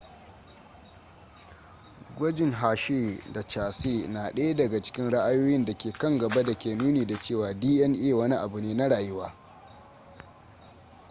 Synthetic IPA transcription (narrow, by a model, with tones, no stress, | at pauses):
ɡʷɔ˦d͡ʒɪ˨ŋɦaː˨ʃeː˦˨da˨t͡ʃaː˨seː˦˨naː˨ɗɐ˦ja˦dɐ˨ɡa˨t͡ʃɪ̥˦kʲɪ˦nɽa˦ʔa˦joː˦jɪ˦nda˨kʲeː˨kɐ˦ŋɡɐ˨ba˦da˨kʲeː˨nuː˦neː˨da˨t͡ʃeː˦˨waː˨diː˦ʔɛ˦nʔeː˦˨wɐ˦ni˦ʔa˨bu˨neː˦na˦ɽaː˨jɪ˦waː˦